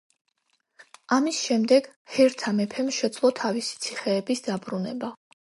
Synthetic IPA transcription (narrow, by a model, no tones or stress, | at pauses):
amisʃɛmd̪ɛɡ̥hɛɾt̪ʰamɛpʰɛmʃɛd̪z̥lˠɔt̪ʰavisi̥t̪sʰiχɛːbisd̪abɾunɛba